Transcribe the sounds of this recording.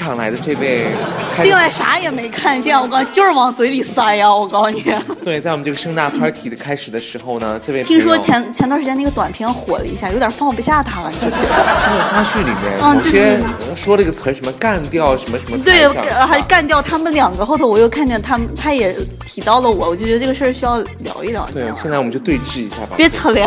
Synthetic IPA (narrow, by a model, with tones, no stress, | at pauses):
ʈ͡ʂʰɑ˨˩ŋla̰˧˥ɪd̪ə˧ʈ͡ʂɤ˥˧pe˥˩ɪkʰt͡ɕi˥ŋla˧˥ɪʂa̰˧˥jɛ˨˩me˧˥ɪkʰa˥˩n˧ɕ̬jɛ˥˩wɔ˨˩kɑ˥ny˧t͡ɕjo˥˧ʂɻ̩˥˩wɑ˨˩ŋswɔ˧˥ɪli˨˩sa˥ja˧wɔ˨˩kɑ˥ʊny˨˩t̪we˥˩ɪt͡sa˥˩wɔ˨˩ə˦˧ʈ͡ʂɤ˥˩ɡə˧ʂɤ˥ŋnt̪a˥˩pʰɐ˞˥t̪ʰi˨˩d̪ə˦kʰa˥ɪʂɻ̩˨˩d̪ə˦ʂɻ̩˧˥xo˥˧ʊnə˩ʈ͡ʂɤ˥˧pe˥˧˩t̪ʰi˥ŋʂwɔ˥t͡ɕʰjɛ˧˥nt͡ɕʰɛ˧˥nt̪wa˥˧nʂɻt͡ɕɛ˥n˥˩ɡə˧t̪wa˨˩npʰjɛ˥nxwɔ̰˨˩lə̰˦ḭ˧˥ɕja˥˩jo˧˥ʊt̪ʲjɑ˨˩fɑ˥˩ŋpu˧ɕja˥˩t̪ʰa˥˩˨ʈ͡ʂi˧˥˩ə˧˩˥t̪ʰa˥ɕy˥˩li˨˩mjɛ̰˥˩n̩˥˧o˥˧˥ʂwɔ˥lə˧˥ɡə˩t͡sʰə˧˥ʂə˧˥nmə˧ka˥˧nt̪jɑ˥˩ʊʂə˧˥nmə˧ʂə˧˥m˧t̪we˥˩ɪ˥˩xa˧˥ʂka˥˧nt̪jɑ˥˩ʊt̪ʰa˥mə˧˨nljɑ˨˩ŋɡə˦xo˥˩d̪ʰwɔ˨˩jo˥˧ʊkʰa˥˧nt͡ɕjɛ˥˩nt̪ʰa˥mə˨nt̪ʰa˥jɛ˨˩˦ | t̪ʰi˨˩˥t̪ɑ˥˩ʊlə˩wɔ˨˩˦wɔ˨˩t͡ɕjo˥˩t͡ɕɛ˧˥ə˧ʈ͡ʂɤ˥˩ə˩˧ʂə˥˩ɕy˥jɑ˥˩ʊljɑ̰˧˥ʊi˥˩ljɑ̰˨˩˥we˥˩˧ɕjnt͡sa˥˩ɔ˨˩m˦t͡ɕjo˧t̪we˥˧ɪʈ͡ʂɻ̩˥˩i˧˥ɕja̰˥˩bɐ̰˨˩pjɛ˧˥t͡sʰə˧˥lj